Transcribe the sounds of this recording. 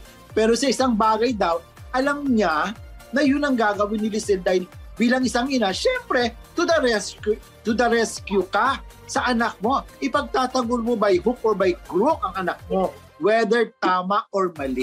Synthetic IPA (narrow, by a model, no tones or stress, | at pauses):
pɛːɾo̞sɐʔɪsaŋbaːɡɐjd̪aw | ʔɐlɐmɲanɐjʊnɐŋɡaːɡɐwɪnɪlɪsɪnd̪aːhɪlbiːlɐŋɪsaŋɪnaʃɛmpɾɛt̪ʊd̪ɐɾɛskʊ | t̪ʊd̪ɐɾɛskjʊkasɐʔɐnak̚mo̞ʔɪpɐɡ̚t̪aːt̪ɐŋɡolmobɐjɦʊp̚ʔoɹbɐjkɾokɐŋɐnɐk̚mo̞ | wɛd̪ɛɹt̪aːmɐʔoɹmɐlɪ